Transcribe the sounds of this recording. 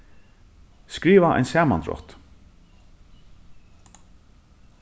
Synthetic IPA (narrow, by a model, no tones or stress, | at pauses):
skɾiːʋaʔa̰jnsæːma̰nt̪ɾɔ̰ht̪